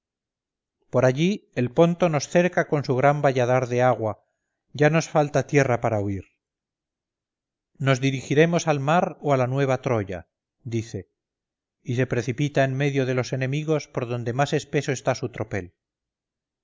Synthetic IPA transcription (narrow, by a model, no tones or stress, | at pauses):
po̞ɾaʎie̞lpo̞nt̪o̞no̞sθe̞ɾkako̞nsuɣ̞ɾambaʎaðaɾðe̞aɣwa | ʝano̞sfalt̪at̪je̞rapaɾauiɾ | no̞zðiɾixiɾe̞mo̞salmaɾoalanwe̞β̞at̪ɾo̞ʝa̰ | d̪iθe̞ | ise̞pɾe̞θipit̪aenme̞ðjo̞ðe̞lo̞se̞ne̞miɣ̞o̞spo̞ɾðo̞nd̪e̞mase̞spe̞so̞est̪asut̪ɾo̞pe̞l